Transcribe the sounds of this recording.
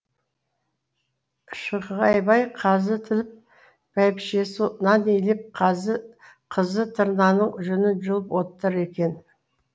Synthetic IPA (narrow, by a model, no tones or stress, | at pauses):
ʃəʁəʁɑjbɑjqʰɑzət̪ʰɪlɪp̚ | b̥ʰæjɪpʃesunɑnejlep̚ | qʰəzət̪ʰəɾnɑnəɴʒɵnɪnʒʊlˠəpwo̞t̪ːəɾe̞kʲe̞n